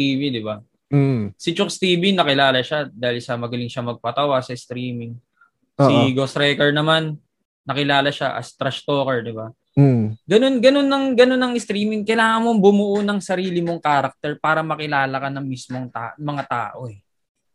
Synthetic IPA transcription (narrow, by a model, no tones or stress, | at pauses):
iːbid̪ɪba | sɪt͡ʃok̚st̪iːbinɐkɪlaːlɐʃad̪aːhɪlsɐmɐɡɐlɪŋʃamɐɡ̚pɐt̪ɐwasɐɪst̪ɾiːmɪŋː | iɡosɾɛːkɛɹnɐmanː | ɐkɪlaːlɐʃaʔɐ̰st̪ɾɐʃt̪oːkɛɹd̪ɪba | ɡɐno̞nɡɐno̞nːɐŋɡɐno̞nːɐŋɪst̪ɾiːmɪŋkɐjlaːŋɐŋmoŋbʊmʊʔonɐŋsɐɾiːlɪmoŋkaːɾɐk̚t̪ɛɹpaːɾɐmɐkɪlaːlɐkɐnɐŋmismo̞ŋt̪aːmɐŋat̪a̰ːʔo̞ɛ